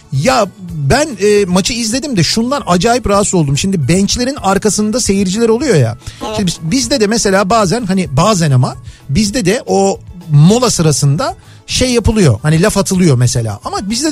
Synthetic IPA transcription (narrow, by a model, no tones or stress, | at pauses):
jabænɛːmat͡ʃʰɯizlʲe̞d̪imd̪ɛʃund̪anad͡ʒaːjipɾaɦasˠo̞lˠd̪umʃimd̪ibɛnt͡ʃlʲeɾinaɾkasɯnd̪ase̞jiɾd͡ʒilʲæɾo̞lˠujo̞ja̰ʃimd̪bizd̪ɛd̪ɛmɛse̞lʲaːbaːzænɦanibaːzænamanbizd̪ɛd̪ɛʔomo̞lˠasɯɾasɯnd̪a | ʃejːapɯlˠɯjo̞̰hanilʲafat̪ʰɯlˠɯjo̞mese̞lʲa̰ːʔamabizd̪ɛ